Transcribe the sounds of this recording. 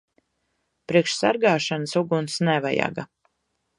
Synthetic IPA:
pɾiɛkʃsaɾɡaːʃanəsuɡunsnɛva̰ja̰ɡa

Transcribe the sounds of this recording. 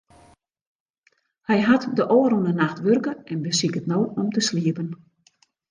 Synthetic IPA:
hɛjɦatdəʔoːɾunənaxtʋørkəɛnbəsikətnoːɔmtəsliəpən

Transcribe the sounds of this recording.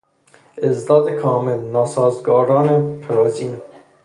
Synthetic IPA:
ezd̪ɑːd̪ekʰɑːmɛlnɑːsɑːzɡɔːɾɑːnepʰɛɾoːziːn

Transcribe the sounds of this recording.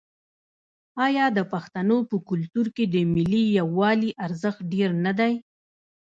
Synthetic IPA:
ɑjɑd̪əpaxt̪anopəkʊlt̪uɾked̪əmɪlijawːɑliʔaɾzəxt̪̚ɖeɾnad̪aj

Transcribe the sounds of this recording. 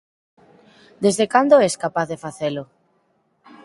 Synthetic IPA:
d̪ezðekand̪oɛskapaθðefaθelʊ

